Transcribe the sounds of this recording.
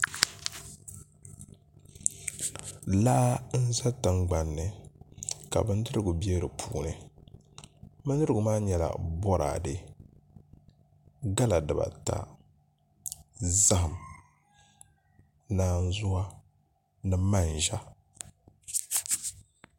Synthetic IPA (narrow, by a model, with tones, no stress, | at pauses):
laː˦n̩˦za˦tɨ˨ŋ͡mɡ͡ba˨nːɨ˨ | ka̰˨bɨ˦n˦dɨ˦ɾɨ˦˨ɡʊ˨bi˦e˦ɾɨ˨pʰuː˦˨nɨ˨ | mɨ˦nːɨ˦ɾɨ˦ɡʊ˨maː˦ɲɛ˨la̰˨bɔ˦ɾa̰ː˨dɨ˨ | ɡa˦la˨dɨ˨ba̰˨ta̰˨ | za˦hɨ˨m | naː˦n̩˦zʊ˦a˦ | nɨ˦ma˦˨n˨ʒa˦